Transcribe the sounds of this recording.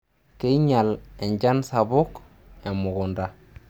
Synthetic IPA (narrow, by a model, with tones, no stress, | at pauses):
ke˦iɲa˨le˨ɲɟa˦nsabu˦k | e˨mu˨ɡunda˦